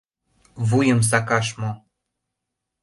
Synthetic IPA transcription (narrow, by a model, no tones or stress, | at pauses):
vujə̆ms̬ɑkɑʃmo